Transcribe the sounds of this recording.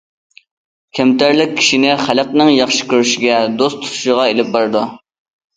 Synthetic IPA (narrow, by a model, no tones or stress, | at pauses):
kʲʰɛmt̪æɾlɪk̚ʲʰːi̥ʃinɪχæləq̚nɨŋjɑχʃɪ̥kʲøɾyʃɪɡʲɛd̪ost̪ʰu̥t̪ʰu̥ʃəʁɑelɪp̚bɑɾɨd̪u